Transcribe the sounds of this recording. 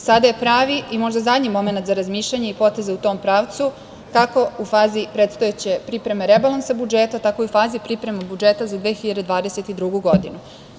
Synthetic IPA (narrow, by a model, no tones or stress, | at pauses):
sad̪aje̞pɾaːʋiimo̞ʒd̪azad̪ɲimo̞me̞nat̪zaɾazmiːʃʎaɲeipo̞t̪e̞zeut̪o̞ːmpɾaːʋt̪su | kako̞ufaːzipɾet̪st̪ojet͡ɕe̞pɾipɾe̞meɾebalˠansabud͡ʒeːt̪at̪ako̞iufaːzipɾipɾe̞mabud͡ʒe̞ːt̪azad̪ʋeːxiʎad̪ed̪ʋaːd̪e̞set̪id̪ɾuɡuɡo̞d̪inu